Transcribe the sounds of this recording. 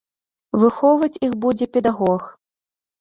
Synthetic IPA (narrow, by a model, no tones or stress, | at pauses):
vɨxɔvɐt͡sʲixbud͡zʲɛpʲɛd̪aɣɔx